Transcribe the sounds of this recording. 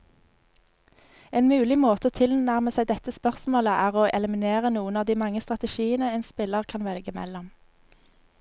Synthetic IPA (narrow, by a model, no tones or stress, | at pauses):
eːnmʉːlɪmoːt̪əoːt̪ʰɪlnnæʁməsæɪd̪ɛt̪əspœʁsmoːləʔæːʁoːʔɛləmɪneːʁənuːənɑːʋd̪iːmɑŋəst̪ʁɑt̪əʃiːənəeːnspɪləʁkʰɑnʋɛlɡəmɛ̰lɔm